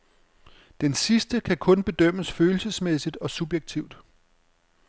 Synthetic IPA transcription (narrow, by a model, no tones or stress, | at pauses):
d̥ensisd̥əkʰækʰɔ̽nb̥e̝d̥øm̰əsføːl̩səsmesid̥ɒ̽sub̥jeɡ̥̚t͡sʰiʊ̰d̥